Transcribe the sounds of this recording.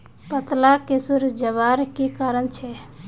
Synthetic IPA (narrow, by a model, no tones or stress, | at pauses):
pət̪lakesuɾd͡ʒəβaɾkikaɾənt͡ʃʰɛ